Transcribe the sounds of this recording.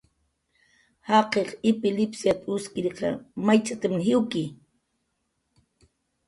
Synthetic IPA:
hɑqeχɪpɪlɪpsjat̪ʊskɪɾqɑ̰majt͡sat̪amnɦɪwkɪ

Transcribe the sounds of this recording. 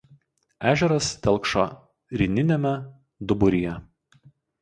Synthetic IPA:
æːʒʲɛɾɐst̪ʲɛlˠkʃɔ̰ | ɾʲɪnʲɪnʲɛmʲɛ | d̪ʊbʊɾʲɪjɛ

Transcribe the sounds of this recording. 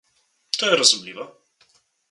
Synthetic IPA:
t̪ɔjɛɾɔzumlʲivɛ

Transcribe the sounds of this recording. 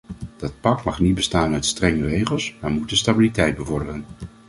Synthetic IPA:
d̥ɑt̚pɑkmɑχnit̚bəstaːnœtstrɛŋərejχəlˠsmaɹmut̚dəstabilitɛjt̚bəvɔɹdərən

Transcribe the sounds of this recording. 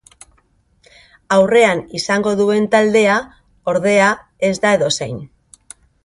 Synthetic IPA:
awre̞anisaŋɡo̞ðue̞nt̪ald̪e̞a | o̞ɾðe̞a | e̞zd̪ae̞ðo̞sajn

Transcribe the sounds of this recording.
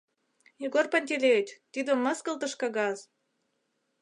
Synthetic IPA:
jeɡorpɑnʲt̪ʲelʲet͡ɕt̪id̪ə̆mə̆skə̆lt̪ə̆ʃkɑɣɑz

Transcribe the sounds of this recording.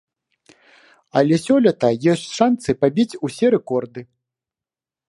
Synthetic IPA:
ɐlʲɛsʲɔlʲɐt̪ɐjɔsʲt͡sʲʂansɨpabʲit͡sʲusʲɛɾɛkɔrd̪ɨ

